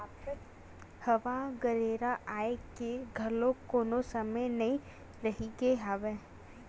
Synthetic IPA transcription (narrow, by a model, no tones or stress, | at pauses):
hɐʋaɡəɾeːɾaʔaːekeɡʱɐlõkoːnosɐməjnɐɦĩ | ɾɐɦiɡeɦaʋe